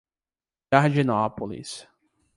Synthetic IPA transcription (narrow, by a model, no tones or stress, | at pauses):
aɾd͡ʒinɔpolḭs